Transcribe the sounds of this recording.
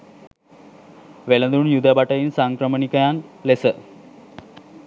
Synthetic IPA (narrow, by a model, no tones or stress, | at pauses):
ʋelənd̪unjud̪əbaʈəjinsaŋkɾəmənikəjanlesə